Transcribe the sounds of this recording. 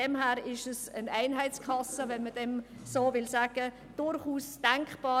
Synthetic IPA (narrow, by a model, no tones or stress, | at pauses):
ɛmhæːɾɪʃəsənæɪnɦæɪt͡skʰɑsəvɛnməd̥ɛm | soːvɪlsaːɡ̥ə | d̥ʊɾχuːsd̥aŋkχb̥ɑː